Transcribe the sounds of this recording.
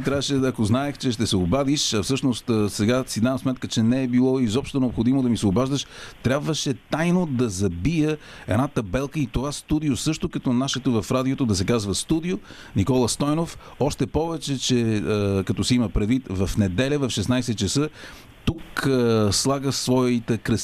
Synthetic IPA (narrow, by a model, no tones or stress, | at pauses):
t̪ɾʲavəʃɛɐkoznaɛxt͡ʃɛʃt̪ɛsɛobad̪iʃɐfsɤʃnost̪ːsɛɡasid̪avɐmsmɛt̪kət͡ʃɛnɛːbilˠɔizɔpʃt̪onɛopxod̪imod̪ɐmisɛobaʒd̪əʃt̪ɾʲjabvəʃɛt̪ajnod̪ɐzɐbijə | ɛd̪nat̪ɐbɛlˠkəit̪ovast̪ud̪ijosɤʃt̪okɐt̪ɔnaʃɛt̪ovɐfɾad̪iot̪od̪ɐsɛkazvəst̪ud̪io | nikɔlˠəst̪ɔjnof | ɔʃt̪ɛpɔvɛt͡ʃɛt͡ʃɛkɐt̪ɔsɛiməpɾɛd̪vit̪vɐfnɛd̪ɛlʲəvɐfʃɛsnajsɛt̪̚t͡ʃɐsə | t̪ukslˠaɡəsvɔit̪əkɾɐs